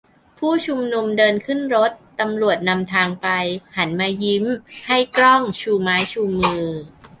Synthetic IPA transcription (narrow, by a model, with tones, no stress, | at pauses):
pʰuː˥˩t͡ɕʰu˧mnu˧mdɤː˧nkʰɯ˥˩nɾo˦˥t̪̚ːa˧mɾu˨˩ət̪̚na˧mt̪ʰaː˧ŋpa˧jha˩˦nmaː˧ji˦˥mha˥˩jkɾɔ˥˩ŋt͡ɕʰuː˧maː˦˥jt͡ɕʰuː˧mɯː˧